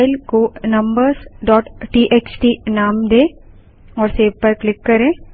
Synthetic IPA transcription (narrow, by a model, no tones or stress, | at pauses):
ɪlkonɐ̃mbəɾsɖɔːʈʈiːʔeːt͡ʃʈiːnaːmd̪ẽː | ɔːɾseːbpɐɾklɪkːɐɾẽː